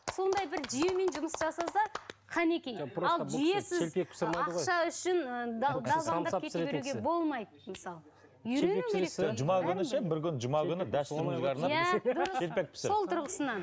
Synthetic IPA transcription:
so̞nd̪ɑjbɪɾʒijewme̞nʒʊməsʒɑsɑsɑqʰɑne̞kʲejpʰɾɑlˠʒije̞sɪzepekpsɾmɑɑdqʁojʃɑʏʃɪnəd̪d̪ɑvɑnɑkʰeteuɡʲebo̞lˠmɑjd̪əmɪsɑlˠə | jʏɾen̞nekeɾeʒʊmɑɡʲʏnɪʃebɪɾkʲʏnʒʊmɑkʲʏnɪd̪æsɪɪzɡʲeɑɾnɑjæd̪ʊɾəelpek̚pɪ̥sso̞lˠt̪ʰʊɾʁəsənɑn

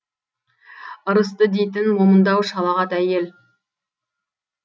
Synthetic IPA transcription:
əɾəs̬t̪əd̪ejt̪̬ɪnmomənd̪ɑwʃɑlˠɑʁɑt̪æje̞l

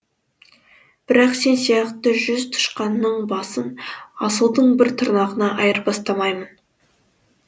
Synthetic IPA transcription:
b̥ɪɾɑqse̞nsijɑqt̪əʒʏzt̪ʰʊ̥ʃqɑnːəɴbɑsənɑsəlˠd̪əɴbɪɾt̪ʰʊɾnɑʁənɑʔɑjəɾbɑst̪ɑmɑjmən

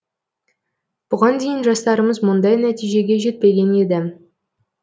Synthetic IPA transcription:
b̥ʊʁɑnd̪e̞jɪnʒɑst̪ɑɾəməzmʊnd̪ɑjnæt̪ijʒe̞ɡʲe̞ʒe̞t̪̚pe̞ɡʲe̞ne̞d̪ɪ

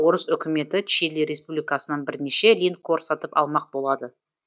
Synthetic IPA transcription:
o̞ɾəsʏkʲɪme̞t̪ɪt̪ʰɪ̥ʃeleɾʲe̞spublʲijkasənɑnbɪɾneʃe̞lint̪kʰoɾsɑt̪əpɑ̰lˠmɑq̚bo̞lˠɑd̪ə

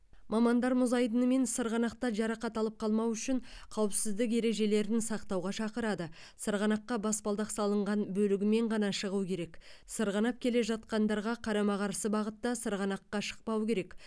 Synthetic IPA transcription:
mɑmɑnd̪ɑɾmʊzɑjd̪ənəme̞nsəɾʁɑnɑqt̪ɑʒɑɾɑqɑt̪ɑlˠəp̚qʰɑlˠmɑwʏʃɪɴqʰɑwəpsɪzd̪ɪk̬e̞ɾe̞ʒe̞le̞ɾɪnsɑqt̪ɑwʁɑʃɑqəɾɑd̪ə | səɾʁɑnɑqːɑbɑspɑlˠd̪ɑqsɑlˠəɴʁɑnbɵlɪɡʲɪme̞ɴʁɑnɑʃəʁuwkʲʰe̞ɾe̞ksəɾʁɑnɑp̚kʲʰe̞le̞ʒɑt̪̚qɑnd̪ɑɾʁɑqʰɑɾɑmɑʁɑɾsəbɑʁət̪ːɑsəɾʁɑnɑqːɑʃə̥q̚pɑwkʲe̞ɾe̞k

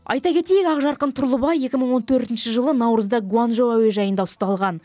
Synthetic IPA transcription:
ɑ̰jt̪ɑkʲʰe̞t̪e̞jɪkɑqʒɑɾqənt̪ʰʊɾlˠəbɑje̞kʲɪməɴwo̞nt̪ʰɵɾt̪ɪnʃəʒəlˠənɑwɾəzd̪ɑɡuanʒoæwe̞ʒɑjənd̪ɑʊst̪ɑlˠʁɑn

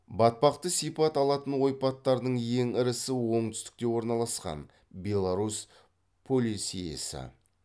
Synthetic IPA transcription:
bɑt̪̚pɑqt̪əsijpɑt̪ɑlˠɑt̪ənwo̞jpɑt̪ːɑɾd̪əɴje̞ŋɪɾɪsɪwo̞ɴt̪ʰʏ̥st̪ɪ̥k̚t̪e̞wo̞ɾnɑlˠɑsqɑ̰n | bʲe̞lˠaɾus | pʰo̞lʲisijḛsɪ̰

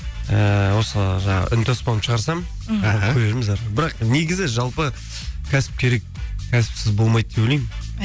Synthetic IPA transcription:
əwo̞səʒɑɴɑ̰ʁə̰ʔʏnt̪ʰospɑnəpʃəʁɑɾsɑm | ɑkʰɵɾeɾɪmɪzɑɾəbɪɾɑqneɡʲɪzɪʒɑlˠpə | kʲʰæsɪ̥p̚kʲʰe̞ɾe̞k̚ | kʲʰæsɪ̥psɪzbo̞lˠmɑjd̪̚d̪epwolejmɪ

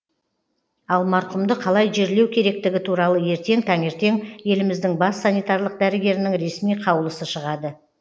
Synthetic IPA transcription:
ɑlˠmɑɾqʊmd̪əqʰɑlˠɑjʒeɾle̞wkʲʰe̞ɾe̞k̚t̪ɪɡʲɪt̪ʰuɾɑlˠəje̞ɾt̪e̞ŋt̪ʰɑŋe̞ɾt̪e̞ŋje̞lɪmɪzd̪ɪŋbɑsːanijt̪ɑɾlˠəq̚d̪æɾɪɡʲe̞ɾɪnɪŋɾe̞smijqʰɑwəlˠəsəʃəʁɑd̪ə

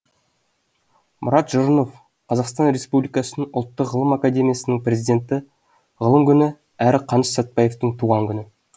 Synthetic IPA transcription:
mʔʊɾɑt̪ʒʊɾəno̞f | qʰɑzɑqst̪ɑnɾe̞spublijkɑsənəʔʊ̰lˠt̪ːəqʁːəlˠəmakad̪ʲe̞mʲijasənəŋprʲe̞zʲijd̪ʲe̞nt̪ɪ | ʁəlˠəmkʲʰʏnɪ | æɾɪqʰɑnəʃsɑt̪̚pɑje̞ft̪əɴt̪ʰuʁɑŋkʲʰʏnɪ

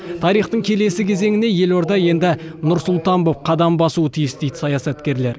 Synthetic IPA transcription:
t̪ʰɑɾijχt̪əɴkʲʰe̞le̞sɪkʲʰe̞ze̞ŋɪne̞je̞lo̞ɾd̪ɑje̞nd̪ɪnʊɾsʊlˠt̪ɑnbop̚qʰɑd̪ɑmbɑsuət̪ʰijɪsd̪e̞jd̪ɪ̥sɑjɑsɑt̪kʲe̞ɾle̞ɾ

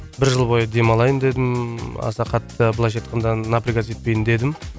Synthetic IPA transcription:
bɪɾʒəlˠbo̞jəd̪e̞mɑlˠɑjənd̪e̞d̪ɪmɑ̰sɑqʰɑt̪ːəbəlˠɑjʃ̬et̪̚qənd̪ɑnapɾiɡas̬e̞t̪̚pe̞jɪnd̪e̞d̪ɪm

